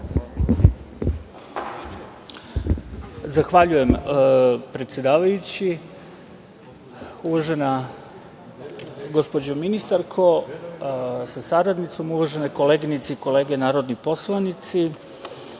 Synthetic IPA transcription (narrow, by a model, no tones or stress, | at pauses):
zaxʋaʎuje̞m | pɾet̪sje̞d̪aːʋajut͡ɕi | uʋaʒe̞na | ɡo̞spo̞d͡ʑominist̪aɾkʰo̞ | sasaɾad̪nit̪so̞muʋaʒe̞neko̞le̞ːɡnit̪seiko̞le̞ːɡe̞naːɾo̞d̪nipo̞slˠanit̪si